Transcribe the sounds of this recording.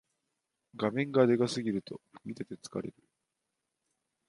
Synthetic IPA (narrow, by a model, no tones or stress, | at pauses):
ɡamẽ̞ŋɡad̪e̞ɡasɨɡʲiɾɯ̟t̪o̞ɸɯ̥kɯ̟it̪e̞t̪e̞t͡sɨ̥ka̰ɾe̞̰ɾɯ̟